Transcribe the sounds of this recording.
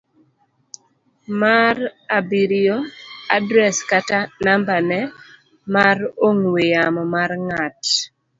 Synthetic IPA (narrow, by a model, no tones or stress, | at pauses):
marabiɾijoadɾɛskatanambanɛ | maɾoŋwejamɔmarŋat